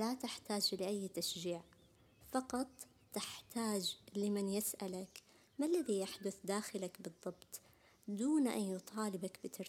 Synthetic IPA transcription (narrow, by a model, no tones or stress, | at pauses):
lat̪ɪħt̪aːd͡ʒlɪʔajːt̪aʃd͡ʒiːʕ | fɑqɑt̪ˤː | ɪħt̪ʰaːd͡ʒlɪmɪnjɪsʔalak | malːaðijaħd̪ʊθd̪aːxɪlakbɨðˤːɑbt̪ˤ | d̪uːnʔa̰njʊt̪ˤʰɑːlɪbakbɪt̪ɪɾ